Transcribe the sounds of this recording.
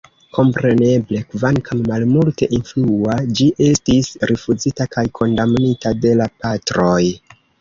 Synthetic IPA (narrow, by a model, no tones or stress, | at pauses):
ko̞mpɾe̞ne̞ble̞kvaŋkʰamːalmulte̞ʔinfluad͡ʒiʔe̞stisɾʔifuzitakajkʰo̞ndamnitade̞lapatɾo̞j